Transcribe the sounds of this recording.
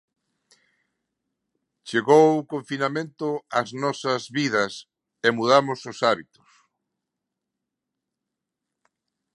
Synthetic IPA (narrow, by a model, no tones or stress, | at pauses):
t͡ʃeɣowkoɱfinamẽnt̪ʊaznɔsɐzβiðɐs | emuðamʊsʊsaβit̪ʊ̥s